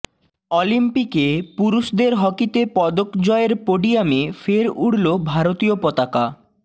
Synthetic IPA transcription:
ɔlimpikepuɾuʃd̪eɾɦɔkit̪epɔd̪okd͡ʑɔeɾpoɖijamefeɾuɽlobʱaɾot̪iopɔt̪aka

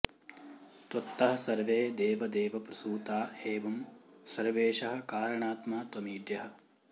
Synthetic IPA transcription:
t̪ɐt̪ːɐɦɐ̆sɐɾʋeːd̪eːʋɐd̪eːʋɐpɾɐsuːt̪aːeːʋɐmsɐɾʋeːʃɐɦɐ̆kaːɾɐɳaːt̪maːt̪wɐmiːɖ̪jɐɦɐ̆

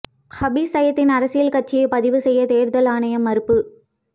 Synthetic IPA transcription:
hɐbisɐjɐt̪ːɪnɐɾɐsɪjɐlkɐʈ̚t͡ʃːɪjɐɪpɐðɪʋɯsɛjːɐt̪eːɾðɐlaːnɐjɐmɐɾɯpːɯ

